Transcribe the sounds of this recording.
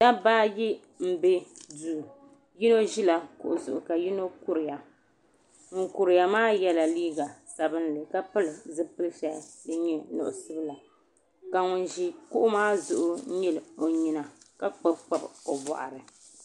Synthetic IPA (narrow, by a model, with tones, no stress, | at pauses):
da˦baː˦ji˦ | m̩˦be˦duː˨ | ji˦no˦ʒi˦la˨kʊ˨ʔʊ˨zʊ˨ʔʊ˨ka˨ji˦no˦ku˦ɾɪ˨ja˨ | ŋʊ˨ŋkʊ˨ɾɪ˨ja˨maː˦jɛ˦la˨liː˦ɡa˨sa˨bɨ˦n˦lɨ˨ka˦pɨ˦lɨ˨zɨ˦pɨ˦lʃa˦dɨ˦ɲɛ˦nʊ̰˨ʔʊ˨sɨ˦bla˨ | ka˨ŋʊ˨nʒi˦kʊ˦ʔʊ˦maː˦zʊ˨ʔʊ˦ɲɪ˦lo˨ɲi˨na˨ka˦k͡pɨ˦bk͡pa˦˨bo˨bɔ̰˨ʔa̰˨ɾɨ˨